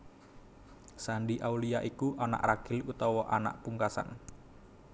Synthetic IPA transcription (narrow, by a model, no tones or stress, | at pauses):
saɳɖiʔauliaʔikuʔana̰ʔraɡ̥ɪlut̪ɔwɔʔana̰ʔpuŋkasa̰n